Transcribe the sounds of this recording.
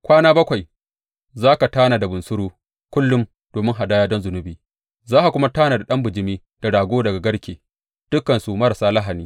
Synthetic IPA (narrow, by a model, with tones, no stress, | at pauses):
kʷaː˦naː˦bɐ˦kʷa˨j | zaː˦ka˨taː˦naː˨da˨bʊ˨nsʊ˦ɾuː˦ | kʷʊ˦lːʊ˦m | d̥oː˨mɪ˦ŋɦa˨daː˦jaː˦dɔ˦nzʊ˨nʊ˨biː˨ | zaː˦ʔa˨kʷʊ˦ma˦taː˦naː˨da˨ɗɐ˦mbʊ˨d͡ʒɪ˨˦miː˦ | d̥a˨ɽaː˨ɡʷoː˦dɐ˨ɡa˨ɡɐ˦ɽkʲeː˨ | d̥ʊ˦kːɐ˨nsu˨mɐ˦ɾa˨saː˦lɐ˦ɦa˨niː˦